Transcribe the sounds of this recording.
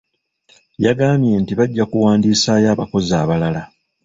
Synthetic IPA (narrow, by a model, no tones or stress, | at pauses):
jaɡaːmje̞ntiβaɟːakuwaːndiːsaːjaːβako̞zaːβalala